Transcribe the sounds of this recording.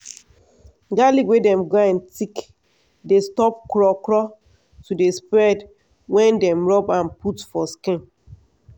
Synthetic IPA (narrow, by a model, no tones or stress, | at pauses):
ɡaliwedɛ̃mɡaãntik | destɔp̚kɹɔkɹɔ | tudespɹɛd | wɛ̃ndɛ̃mɹɔbãnputfɔskĩn